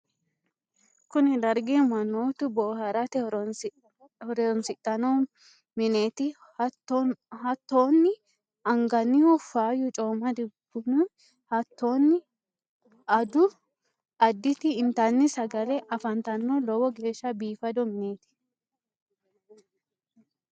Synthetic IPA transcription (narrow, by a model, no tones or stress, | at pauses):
kʊnɪd̪ɐɾɡemɐnːoːt̪ʊbɔːhɐɾɐt̪ɛ | hɔɾɛɔnsɪt̪ʼːɐnɔ | mɪne̞ːt̪ɪ | hɐt̪ːoːnːɪ | ɐŋɡɐnːɪwɔfaːjʊt͡ʃʼoːmɐd̪ɪɡʊnʊ | hɐt̪ːoːnːɪ | ɐd̪ʊ | ɐd̪ːɪt̪ɪɪnt̪ɐnːɪsɐɡɐlɛʔɐfɐnt̪ɐnːɔlɔwɔɡe̞ːʃːɐbiːfɐd̪ɔmɪne̞ːt̪ɪ̥